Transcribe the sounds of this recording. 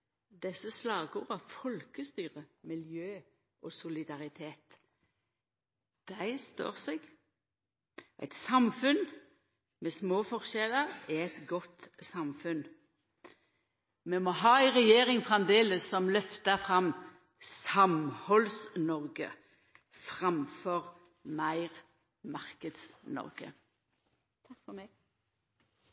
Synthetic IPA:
d̪ɛsəslɑːɡuːʁəfɔlkəst̪yːʁəmɪljøː | ʔɔsʊlɪd̪ɑʁɪt̪ʰeːt̪ | d̪̥æɪst̪ø̰ːʁsɛɡ | ʔæ̰ɪt̪sɑmfʉn | mɛsmoːfɔʁʃɛləʁɪɛt̪ɡɔt̪sɑmfʉn | mɛmoːɦɑːæɪʁɛjeːɾɪŋfʁɑmd̪eːləsːɔmlœft̪əfʁɑm | sɑmhɔlsnɔʁɡə̰ | fʁɑmfɔʁ | mæɪʁ | mɑʁkəd̪snɔ̰ʁɡ̥ə̰ | kfɔmɛɡ

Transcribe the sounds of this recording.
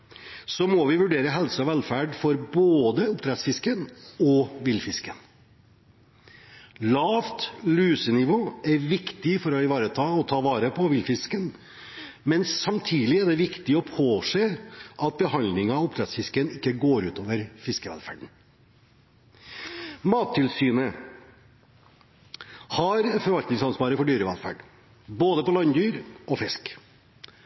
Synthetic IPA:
sɔmɔʋɪʋʉɖeːɾəɦɛlsɔʋɛlfæːɖfɔɾboːd̪əʊpt̪ʰɾɛt̪sfɪskənɔʋɪlfɪskən | lɑːʋt̪lʉːsənɪʋoːæɾʋɪkt̪ɪfɔɾɔɪʋɑːɾət̪ʰɑːɔt̪ʰɑːʋɑːɾəpʰɔʋɪlfɪskən | mɛnːɑmt̪ʰiːlɪæɖɛʋɪkt̪ɪɔpʰoːseːʔɑt̪̚bəɦɑnd̪lɪŋɑɑɔpd̪ɾɑt̪sfɪskənɪkːəɡoːɾʉːt̪oːʋəɾfɪskəʋɛ̰lfæ̰ːɖɳ̩ | mɑːt̪ʰːɪlsyːnə | hɑɾfɔɾʋɑlt̪nɪŋsɑnspɑːɾəfɔɖyːɾəʋɛlfæ̰ːɖ | boːd̪əpɔlɑnd̪yːɾʔɔfɛsk

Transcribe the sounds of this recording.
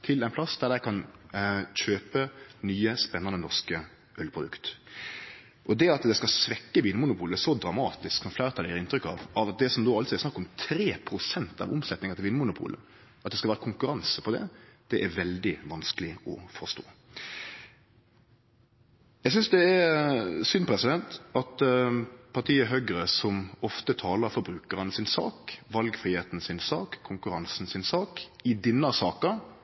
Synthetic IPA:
t̪ʰɪlæɪnpʰlɑsd̪æɾd̪æɪkʰɑn | çøːpənyːəspɛnːɑnənɔʁʂkə | ʔœlpʰɾʊd̪ʉ̰kt̪ | ʔɔd̪ɛɑt̪d̪ɛskɑsʋɛkːəʋiːnəmʊnʊpʰuːləsɔd̪ɾɑmɑːt̪ɪsksɔmflæːɾət̪ʰɑljæːɾɪnt̪ɾʏkːɑ̰ʋɑʋɑt̪̚d̪ɛsɔmd̪oːɑlt̪sɔɛsnɑkːɔmt̪ʰɾeːpʰɾʊsɛnt̪ɑ̰ʋʊ̰msɛt̪nɪŋɑt̪ʰɪlʋːnəmʊnʊpʰṵːlə̰ | ɑt̪d̪ɛskɑʋæːɾəkʰʊŋkʉɾɑnsəpʰɔd̪ɛ̰d̪̥ɛʔæɾʋɛld̪ɪʋɑnskəlɪɔfɔst̪o̰ː | jæsʏnsd̪ɛæɾsʏnpʰɾɛsɪd̪ɛnt̪ɑt̪ | pʰɑʁʈ̪ʰiːəɦøɡɾəsɔmɔft̪ət̪ʰɑːləɾfɔɾbɾʉːkəɾənəsɪnsɑ̰ːkʋɑlɡfɾiːheːt̪n̩sɪnsɑːkʰːʊŋkʉɾɑnsn̩sɪnsɑːkɪd̪ɪnːəsɑːkə

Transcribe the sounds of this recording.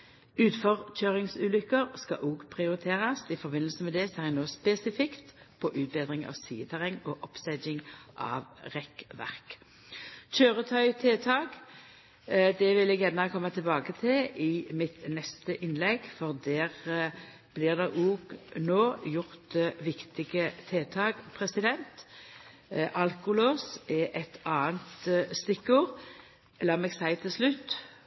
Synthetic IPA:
ʉːt̪fɔʁc͡çøːʁɪŋsʉːlʏkːəʁskɑ̰ʔuːɡpʰʁɪʊʁɪt̪ʰeːʁɑsɪfɔʁbɪnl̩səmɛd̪ɛsɛːʁjɛnoːspɛsɪfɪkt̪ | pʰɔʔʉːt̪̚beːd̪ʁɪŋɑ̰ːʋsḭːət̪ʰæʁɛŋːɔʔɔpsɛɪd͡ʒɪŋʔɑ̰ːʋʁɛkʋæ̰ʁk | c͡çøːʁət̪ʰœʏt̪ʰeːt̪ʰɑːɡ | d̪ɛʋɪlɛɡjænəkʰɔmːət̪ʰɪlbɑːɡət̪ʰɪlʔɪmɪt̪nɛst̪əʔɪnlɛɡfɔʁd̪æːʁ | b̥lɪːʁd̪eːʔuːɡnoːjʊʁt̪ʋɪkt̪ɪɡət̪ʰeːt̪ʰɑːɡpʰʁɛsɪd̪ɛnt̪ | ʔɑlkʊloːsɛʔɛt̪ɑːənt̪st̪ɪkːʊʁ | lɑːmɛɡsæɪt̪ʰɪlslʉt̪ː

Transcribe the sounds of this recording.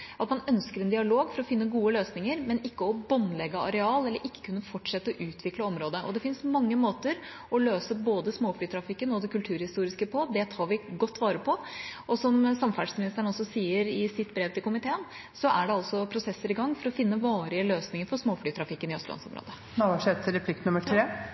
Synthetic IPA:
ɑt̪mɑnœnskəɾɛnd̪ɪɑloːɡfɔɾɔfɪnːəɡuːəløːsnɪŋəɾmɛnɪkːəɔbɑnːlɛɡːəɑɾɛɑːlɛlːəɾʔɪkːə̥kʰʉnːəfɔʈːʂɛt̪ːəɔʔʉːt̪ʰʋɪkləɔmɾoːd̪əʔɔd̪ɛfɪnsmɑŋːəmoːt̪əɾ | ɔløːsəboːd̪əsmoːfɽyːt̪ʰɾɑfɪkːənɔd̪ɛkʉlt̪ʰʉːɾhɪst̪uːɾɪskəpʰɔd̪ɛt̪ʰɑːɾʋɪɡɔt̪ːʋɑːɾəpʰɔɔsɔmsɑmfæɖsmɪnɪst̪əɾənɔsːɔsiːəɾɪsɪt̪bɾeːʋt̪ʰɪlkʊmɪt̪ʰeːən | sɔʔæɖɛɑlsɔpʰɾʊsɛsːəɾɪɡɑŋːfɔɾɔfɪnːəʋɑːɾɪəløːsnɪŋəɾfɔɾʂmoːflyːt̪ʰɾɑfɪkːənɪœslʔɑ̰nsɔ̰mɾo̰ːd̪ə | nɔʋɑʂɛt̪ːəɾɛplɪk̚t̪nʉməʈʰɾeː

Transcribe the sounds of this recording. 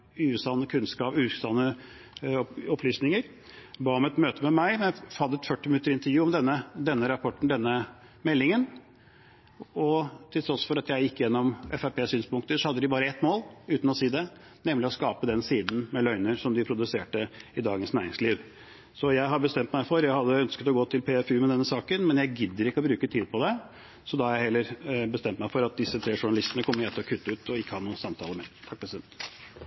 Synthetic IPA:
ʉːsɑnːəkʰʉnskɑːpʉːsɑnːə | ɔpʰlyːsnɪŋəɾ | bɑːɔmɛt̪møːt̪əmɛmæɪmɛnjæhɑd̪ːəɛt̪fœʈːɪmɪnʉt̪əɾɪnt̪əɾjʉːɔmd̪ɛnːəd̪ɛnːəɾɑpʰɔʈːɳ̩d̪ɛnːə | mɛlːɪŋən | ɔt̪ʰɪlt̪ɾɔsfɔɾɑt̪jæɪjɪkːəjɛnːɔmʔɛfæɾpeːsyːnspʊŋkt̪əʂɔhɑd̪ːəd̪ɪbɑːɾəɛt̪ːmoːlʉːt̪n̩ɔsiːd̪ɛ | nɛmlɪɔskɑːpəd̪ɛnsiːd̪n̩mɛlœʏnəɾʂɔmd̪ɪpʰɾʊd̪ʉseːʈəɪd̪ɑːɡənsnæːɾɪŋsliːʋ | sɔjæɪɦɑbəst̪ɛmt̪mæɪfɔɾjæɪhɑd̪ːəœnskət̪ɔɡoːt̪ʰɪlpʰeːɛfʉːmɛd̪ɛnːəsɑːkənmɛnjæɪɡɪd̪ːəɾɪkːəɔbɾʉːkət̪ʰiːd̪̚pʰɔd̪ɛ | sɔd̪ɑhɑɾjæɪhɛlːəɾbəst̪ɛmt̪mæɪfɔɾɑt̪̚d̪ɪsːət̪ʰɾeːʂʊɳɑlɪst̪ənəkʰɔmːəɾɛt̪ʰɪlɔkʰʉt̪ːʉːt̪ʰɔɪkːəhɑnuːnsɑmt̪ʰɑːləɾmɛt̪ʰɑk̚pʰɾɛsɪd̪ɛnt̪

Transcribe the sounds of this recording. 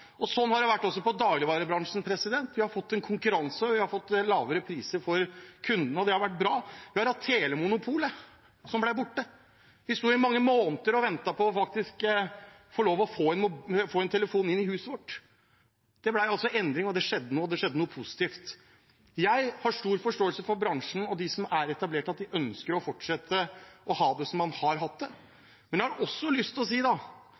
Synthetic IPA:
ɔsɔnːhɑɖɛʋæʈːɔsːɔpɔd̪ɑːɡlɪʋɑːɾəbɾɑŋʂn̩pʰɾɛsɪd̪ɛnt̪ʋɪhɑɾfɔt̪ːɛnkʰʊŋkʉɾɑnsəɔʋɪhɑɾfɔt̪ːlɑːʋəɾəpʰɾiːsəɾfɔɾkʰʉnd̪nəɔd̪ɛhɑɾʋæʈ̚ːbɾɑːʋɪhɑɾhɑt̪ʰːeːləmʊnʊpʰuːlə | sɔmblæɪbʊʈːə | ʋɪst̪uːɪmɑŋːəmoːnt̪əɾɔʋɛnt̪ɑpʰɔɔfɑk̚t̪ɪsk | fɔɭoːʋɔfoːɛnmʊfoːɛnt̪ʰɛləfuːnɪnːɪhʉːsəʋɔʈː | d̪̥ɛblæɪɑlsɔʔɛnd̪ɾɪŋɔd̪ɛʂɛd̪ːənoːd̪ɛʂɛd̪ːənuːəpʰʊsɪ̥t̪iːft̪ | jæɪhɑʂʈuːɾfɔʂʈoːəlsəfɔɾbɾɑŋʂn̩ɔd̪ɪsɔmæɾɛt̪ɑbleːʈɑt̪̚d̪ɪʔœnskəɾɔfɔʈʂɛt̪ʰːəʔɔhɑːd̪ɛsɔmːɑnhɑɾɦɑt̪̚d̪ɛ | mɛnjæhɑɾʔɔsːɔlʏst̪ɔs̬iːd̪ɑ

